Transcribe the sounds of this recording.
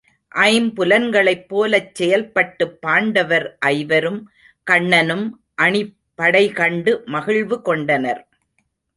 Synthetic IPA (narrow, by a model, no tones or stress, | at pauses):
ʔɐɪmpʊlɐnɡɐɭɐɪpːoːlɐt͡ʃsɛjɐlpɐʈːɯpːaːɳɖɐʋɐɾʔɐɪʋɐɾɯm | kɐɳːɐnɯm | ʔɐɳɪː | ɐɽɐɪkɐɳɖɯmɐɣɪɭʋɯkɔɳɖɐnɐɾ